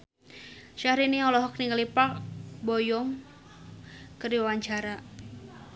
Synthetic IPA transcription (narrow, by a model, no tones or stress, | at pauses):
ʃahɾiniɔlɔɦɔk̚niŋəlipabɔjɔŋ | kərdiwawaɲt͡ʃaɾa